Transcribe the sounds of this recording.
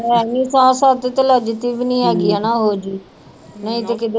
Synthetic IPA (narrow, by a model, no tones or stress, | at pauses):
ɛːniːsãːsaːt̪et̪eləd͡ʒt̪iːbinĩːɛːɡiːaːnaːɦoːd͡ʒiː | nəĩːt̪ekɪd̪